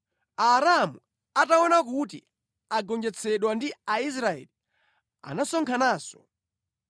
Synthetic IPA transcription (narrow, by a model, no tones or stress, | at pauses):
aɾamu | ataɔnak̬utḭ | aɡɔnd͡ʒɛt͡sʰɛɗwandiais̬ɾaɛ̰li | a̰nasɔŋkʰanaːsɔ̥